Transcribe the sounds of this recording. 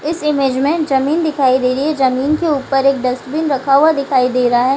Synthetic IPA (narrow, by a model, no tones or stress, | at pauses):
ɪsɪmeːd͡ʒmẽʈzɐmiːnd̪ɪkʰaːid̪eːɾied͡ʒɐmiːnkeuːpəɾeːk̚ɖɐsʈbinɾɐkʰaːad̪ɪkʰaːid̪eːɾaɦɛː